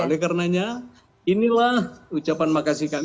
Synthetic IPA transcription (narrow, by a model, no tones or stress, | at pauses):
olɛkarnaɲa | inilahut͡ʃapanmakasika